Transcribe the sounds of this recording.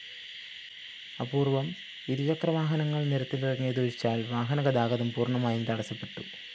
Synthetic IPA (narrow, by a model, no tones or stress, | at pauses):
ɐpuːrʋɐm | iɾut͡ɕɐkrɐʋaːɦɐnɐŋːɐɭniɾɐt̪ːilirɐŋːeːðuʋɐɾit͡ɕːaːlʋaːɦɐnɐɣɐd̪aːɣɐðɐmpuːrɳɐmaːjumt̪ɐɽɐsɐpːe̞ʈːu